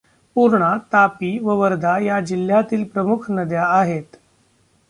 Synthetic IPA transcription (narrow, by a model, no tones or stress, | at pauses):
puɾɳat̪apiːʋəʋəɾd̪ʱajad͡ʑil̤ːjat̪iːlpɾəmukʰnəd̪jaːɦet̪